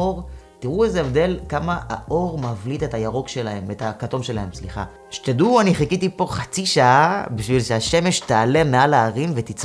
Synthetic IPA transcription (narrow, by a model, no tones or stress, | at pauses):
oʁ | tiʁuezeevd̪e̞lkamaa̰ʔo̞ʁmavlitetajaʁo̞kʃe̞lahemetakato̞mʃe̞lahe̞msliχa̰ | ʃe̥t̪eduaniχikit̪ipo̞χat͡siʃaabiʃvilʃeaʃe̞meʃtaale̞mealaːʁimvet̪it͡s